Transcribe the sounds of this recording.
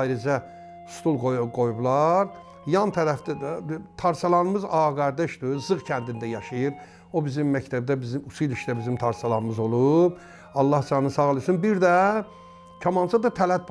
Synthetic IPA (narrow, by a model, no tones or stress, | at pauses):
jɾid͡ʒæ | st̪ʰulˠɡojɡo̞jublˠɑɾ | jɑnt̪ʰæɾæfd̪t̪ʰɑɾsɑlˠɑnɯmɯzɑːɡɑɾd̪eʃd̪ɯzɯɣcʰænd̪ind̪æjɑʃɯjɯɾ | o̞bizimːæct̪ʰæb̚d̪æbizimusiliʃd̪æbizimt̪ʰɑɾsɑlˠɑnɯmɯzo̞lˠub | ɑlˠːɑht͡ʃʰɑnɯsɑɣlˠɯsunbiɾd̪æ | cʰɑmɑnt͡ʃ̪ʰɑd̪ɑt̪ʰælæt̪̚pʰ